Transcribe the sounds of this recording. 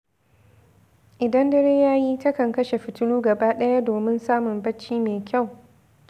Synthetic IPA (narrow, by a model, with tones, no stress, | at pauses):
ʔɪ˨dɐ˦ndɐ˦ɽeː˦jaː˦jiː˦tɐ˦kɐ˨ŋkɐ˦ʃe˨ɸɪ˨tʊ˦luː˦ɡɐ˨baː˦ɗɐ˦ja˦doː˨mɪ˦nsaː˦mʊ˨mbɐ˦t͡ʃːiː˦meː˨kʲa˦˨w